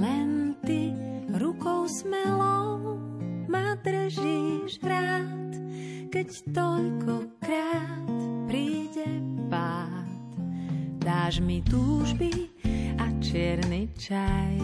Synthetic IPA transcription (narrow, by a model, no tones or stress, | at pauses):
lɛnt̪i | ɾukɔʊsmɛlɔʊ | mad̪ɾ̩ʒiʒɾaːt̪ | kɛct̪ɔʎkʰɔkɾaːt̪pɾiːɟɛpaːt̪d̪aːʒmit̪uːʒbiat͡ʃɪɛɾnit͡ʃaj